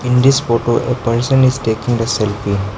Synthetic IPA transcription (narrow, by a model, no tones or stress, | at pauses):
ɪ̃nd̪ɪsfoːʈoːʔepɐɾsə̃nɪzʈeːkɪ̃ŋd̪ɐsɛlfĩn